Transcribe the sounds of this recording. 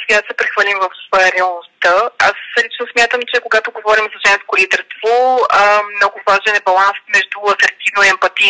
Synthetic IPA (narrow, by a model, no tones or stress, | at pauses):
sɛɡad̪sɛpɾɛxvəlimvɐfəɾɪɐlˠnost̪əaslit͡ʃnosmʲjat̪əmt͡ʃɛkoɡat̪oɡovɔɾimzɐʒɛnskolid̪ɛɾst̪vo | mnɔɡʊvaʒɛnɛbɐlˠansmɛʒd̪uɐsɐɾt̪ivnoiɛmpɐt̪i